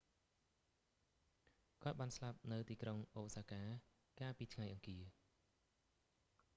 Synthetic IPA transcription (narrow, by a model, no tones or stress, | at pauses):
kŏət̪̚ɓaːnslap̚nɨwt̪iːkroŋʔoːsaːkaː | kaːlpiːt̪ʰŋajʔɑŋkiə